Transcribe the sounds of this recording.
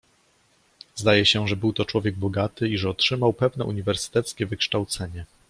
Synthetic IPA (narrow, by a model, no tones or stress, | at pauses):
zd̪ajɛɕɛʐɛbɘwt̪ɔt͡ʂwɔvʲjɛɡ̚bɔɡat̪ɘiʐɛɔtʂɘmawpɛvnɛ̰ʔṵɲivɛɾsɘ̥t̪ɛt̪skʲɛvɘkʂt̪awt̪sɛɲɛ